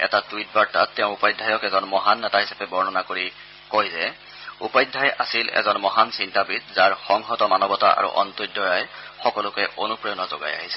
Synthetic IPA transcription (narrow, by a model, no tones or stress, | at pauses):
ɛ̰tatit̚baɹta̰tːɛʊ̃upajdʱːajɔkɛzɔnmɔɦanːɛtaɦisḁpɛbɔɹnɔnakoɹi | kojzɛ | upajdʱːajasilɛ̰zɔnmɔɦansintabitzaɹxɔŋxɔtɔmanɔbɔta̰ʔa̰ɹṵʔɔ̰ntudʱɔɹajxɔkɔlʊkɛʔonupɹɔjɔnɔzɔ̰ɡa̰ja̰ɦisɛ̥